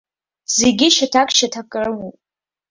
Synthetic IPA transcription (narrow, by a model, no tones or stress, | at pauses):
z̥e̞ɡʲɪʃatʰakʷʼʃatʰakʼrɨwu